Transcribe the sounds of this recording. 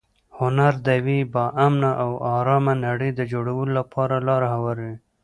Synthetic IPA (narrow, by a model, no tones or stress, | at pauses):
hʊnaɾd̪awibɑʔamnaʔawɑɾɑmanaɽəjd̪əd͡ʒoɽawəlolapʰɑɾalɑɾahawaɾwi